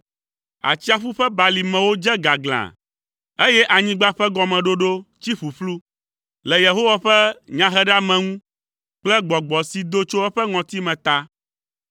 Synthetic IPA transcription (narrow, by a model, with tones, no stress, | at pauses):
a̰˨t͡ɕi˦a˨ɸu˦ɸɛ˦ba˨li˨mɛ̃˨wo˦d͡ʒɛ˦ɡa˨ɡl̃ã̰˨ | e˦jɛ˦ʔa˨ɲĩ˦ɡ͡ba˦ɸɛ˦ɡɔ˨mɛ̃˨ɖo˦ɖo˦t͡ɕi˦ɸu˨ɸlu˦ | lɛ˨je˨ɦo˦wa˨ɸɛ˦ɲã˦ɦɛ˦ɖa˦mɛ̃˨ŋũ˦ | k͡plɛ˦ɡ͡bɔ˨ɡ͡bɔ˨si˨d̪o˦t͡ʃo˦ɛ˦ɸɛ˦ŋɔ̃˨t̪i˦mɛ̃˨t̪a˦